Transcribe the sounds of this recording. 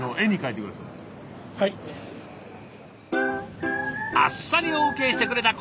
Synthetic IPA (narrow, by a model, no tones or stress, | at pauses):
noʔẽ̞ɲ̟ːikait̪ekɯmɾasɨ | hai | a̰sːaɲʲioːke̞ːɕi̥t̪e̞kɯ̟ɾe̞t̪ak